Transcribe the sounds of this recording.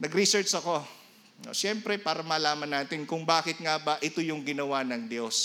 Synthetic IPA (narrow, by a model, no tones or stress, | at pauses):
nɐɡɾisɛɹt͡ʃɐko̞ | o̰ʃɛmpɾɛpaːɾɐmɐːlaːmɐnːaːt̪ɪnkʊŋbaːkɪt̪̚ŋabɐʔɪt̪ojʊŋɡɪnɐwanɐŋd̪jo̞s